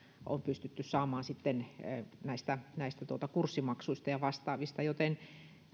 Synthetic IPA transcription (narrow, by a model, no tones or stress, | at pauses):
ʔo̰mpyst̪yt̪ːyssɑːmɑːnsit̪ːennæist̪ænæist̪æt̪uot̪ɑkursːimɑksuist̪ɑjɑʋɑst̪ɑːʋist̪ɑjot̪en